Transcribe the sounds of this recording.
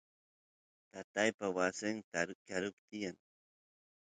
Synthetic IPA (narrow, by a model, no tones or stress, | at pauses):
t̪at̪ajpawasɪnt̪akaɾʊpt̪ɪjaŋ